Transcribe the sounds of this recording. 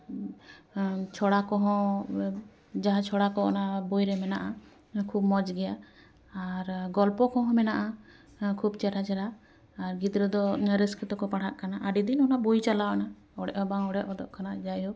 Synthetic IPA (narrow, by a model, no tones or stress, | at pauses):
t͡ʃʰɔɽakɔɦɔ̃ | d͡ʒaɦãt͡ʃʰɔɽakɔɔnabujɾɛmɛnaʔa | kʰubmɔd͡ʒɡɛja | aɾɡɔlpɔkɔ̃ɦɔ̃mɛnaʔa | kʰubt͡ʃɛʈat͡ʃɛɾaː | ɾɡid̪ɾɔd̪ɔɾiskit̪ɔkɔpaɽ̤ʰaʔkanaʔaɖid̪inɔnaʔbujt͡ʃalaʔɔna | ɔɽɛʔɔbaŋɔɽɛʔɔd̪ɔʔkanad͡ʒajɔ